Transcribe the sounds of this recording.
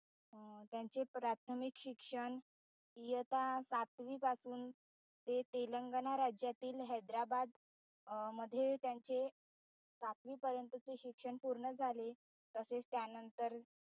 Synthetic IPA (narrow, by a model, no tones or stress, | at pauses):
t̪jaɲt͡sepɾat̪ʰəmikɕikʂəɳ | ijət̪asat̪ʋiːpasuːn | t̪et̪eləŋɡənaɾad͡ʑjat̪iːlɦəjd̪ɾabad̪ | məd̪ʱːjet̪jaɲt͡ɕe | sat̪ʋiːpəɾjənt̪ət͡seɕikʂəɳpuɾɳəd͡zʱale | t̪əset͡st̪janənt̪əɾ